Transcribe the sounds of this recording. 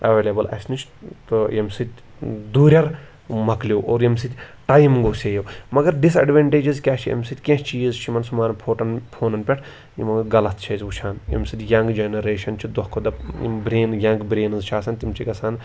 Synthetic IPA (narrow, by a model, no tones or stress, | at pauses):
ɐʋeːlʲɐbɐlɐ̰snit͡ʃʰt̪ojemsit̪ʲ | d̪uːɾʲɐɾ | mɐkljoːʔoːɾjemsit̪ʲʈaːjmɡoːseːjoːmɐɡɐɾɖisɐ̰ɖʋeɳʈeːd͡ʒizkʲaːt͡ʃʰiɐ̰msit̪ʲkʲẽst͡ʃiːzt͡ʃʰimɐnsumaːnpʰoːʈɐnpʰoːnɐnpʲɛʈʰ | jḭmɐɡɡɐlɐt̪̚ʰt͡ʃʰɐːzʋut͡ʃʰaːnḛmsid̪ʲjɐŋɡd͡ʒenɐɾeːʃɐnt͡ʃʰid̪ɐhkʰod̪ɐ̰bɾeːnjɐŋɡbɾeːnɨzt͡ʃʰaːsɐnt̪imt͡ʃʰikɐsaːn